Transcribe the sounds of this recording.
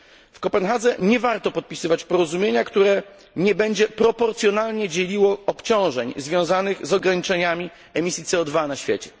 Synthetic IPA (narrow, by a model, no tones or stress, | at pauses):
fkɔpɛnxad̪zɛɲɛvaɾt̪ɔpɔt̪̚pʲi̥sɘvat͡ɕpɔɾɔzumʲjeɲakt̪uɾɛ | ɲɛbɛɲd͡ʑɛpɾɔpɔɾt̪sʲjɔnalɲɛd͡ʑelʲiwɔɔpt͡ɕɔ̃w̃ʐɛɲzvʲjɔ̃w̃zanɘɣzɔɡɾaɲit͡ʂɛɲamʲi | ɛmʲisʲjit̪sɛɔd̪vanaɕfʲjet͡ɕɛ̥